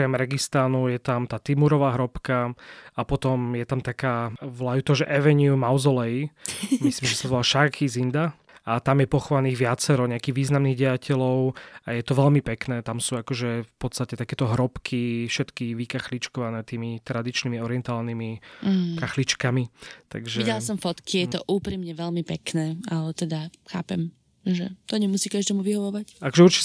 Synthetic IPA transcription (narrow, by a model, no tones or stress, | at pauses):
ɔkɾɛmɾɛɡist̪anujɛt̪amt̪aːt̪imuɾɔʋaːɦɾɔpkaapɔt̪ɔmjɛt̪amt̪akaːʋlajut̪ɔɦʒɛʔɛʋɛɲumawzɔlɛimislimʒɛsazɔʋɔlaʃakizind̪a | at̪amjɛpɔxɔʋaniːɣʋɪat͡sɛɾɔɲɛakiɣʋiːznamniːɣɟɛacʰɛlɔʊajɛt̪ɔʋɛlmipɛknɛːt̪amsuːakɔʒɛfpɔt̪st̪acɛt̪akɛːt̪ɔɦɾɔpkʰifʃɛt̪kiʋikaxlit͡ʃkɔʋanɛːt̪iːmit̪ɾad̪it͡ʃnimiɔɾɪɛnt̪aːlnimikaxlit͡ʃkamit̪a̰ɡʒɛiɟɛlasɔmfɔt̪kijɛt̪ɔʔuːpɾiːmɲɛʋɛlmipɛknɛːalɛt̪ɛd̪axa̰ːpɛm | ʒɛ̰t̪ɔɲɛmusiːkaʒd̪ɛːmuʋiɦɔʋɔʋacakɔʒɛuɾt͡ʃi